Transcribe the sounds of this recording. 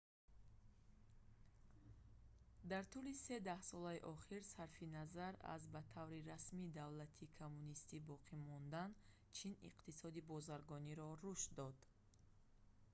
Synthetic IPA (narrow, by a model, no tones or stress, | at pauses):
d̪aɾt̪ʰulise̞d̪ahsɔlaiʔɔχiɾsaɾfinazaɾa̰zbat̪ʰavɾiɾasmid̪avlat̪ʰikʰomːunist̪ibɔqʰimɔnd̪an | t͡ʃʰinḭqt̪isɔd̪ibɔzaɾɡɔniɾɔɾuʃd̪ɔd̪̥